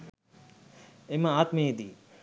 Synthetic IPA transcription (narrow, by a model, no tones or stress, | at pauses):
emɐaːt̪meed̪iː